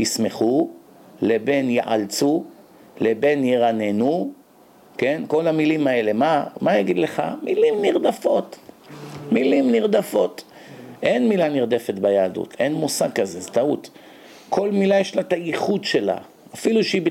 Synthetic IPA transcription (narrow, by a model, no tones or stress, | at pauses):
jisme̞χu | le̞be̞njeʔa̰lt͡su | le̞be̞njeʁanenu | ke̞nko̞lamilimae̞le̞mamajaɡid̪le̞χa̰milimniʁd̪afo̞t̪ | milimniʁd̪afo̞t̪ | ʔe̞nmilaniʁd̪e̞fet̪bajaːd̪ṵt̪ʰʔenmusaɡ̚kazezetaut̪ | kʰo̞lmilajeʃlat̪ajiχud̪ʃe̞la̰ | afiluʃeib